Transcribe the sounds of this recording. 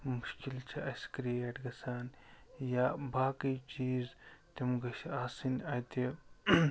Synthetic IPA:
muʃkilt͡ʃʰiʔɐsʲkɾiɐʈɡɐsaːnjaːbaːkijt͡ʃiːzt̪imɡɐʃaːsinɐt̪i

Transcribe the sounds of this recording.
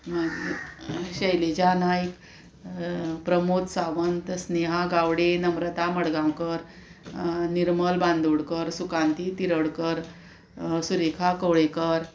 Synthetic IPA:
maɡiɕəjled͡ʑanajik | pɾəmot̪saʋənt̪əsneɦaɡawɽenəmɾət̪aməɽɡãwkəɾ | niɾməlbãnd̪oɽkəɾsukant̪it̪iɾəɽkəɾ | suɾekʰakəwɭekəɾ

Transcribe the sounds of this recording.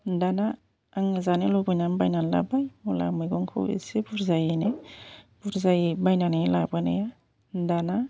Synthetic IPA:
dana | aŋɯzanelɔbɯjnanbajnanla̰bajmula̰mɯjɡɔŋkʰo̰wḛsebuɾzajeneb̥uɾzajbajnanelabɯnḛja | dana

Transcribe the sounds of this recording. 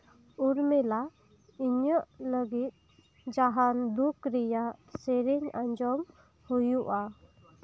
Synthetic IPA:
uɾmɛla | iɲəʔləɡit̪̚ | d͡ʒaɦand̪ukɾijaseɾiɲaɲd͡ʒɔm | hujuʔa

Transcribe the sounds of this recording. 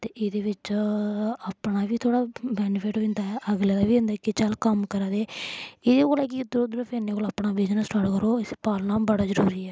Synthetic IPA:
t̪eːʔɪːd̪eːʋɪt͡ʃ | aːpɳaːʋiːt̪ʰoːɽaːbɛːnefʰɪʈoɪ̃nd̪aːɛʔəɡled̪aːʋiːʊ̃nd̪aːkɪt͡ʃalkəmkəɾaːd̪eːɪd̪eːkoːlɛːkɪd̪ɾoːd̪ɾəfenːeːkoːlaːpɳaːbɪd͡ʒnəsʈaːʈkəɾoːɪspaːlnaːbəɽaːzəɾuːɾiːɛː

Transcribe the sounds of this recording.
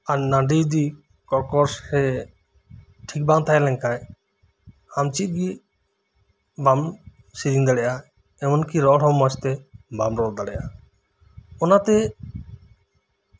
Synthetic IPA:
annaɳɖid̪i | kɔɾkɔɾsɾɛ | ʈʰik̚baŋt̪ʰajɛlɛŋkaj | hamt͡ʃit̪̚ˀɡi | bam | sid͡ʒiŋd̪aɽɛjʔa | ɛmɔnkiɾɔɽɔmːɔt͡ʃt̪ɛbamɾɔld̪aɽɛʔa | ɔnat̪ɛ

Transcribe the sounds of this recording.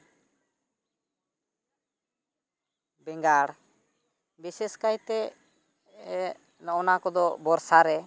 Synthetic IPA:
bɛŋɡaɽ | bisɛskajt̪ɛ | nɔɔnakɔd̪ɔbɔɾsaɾɛ

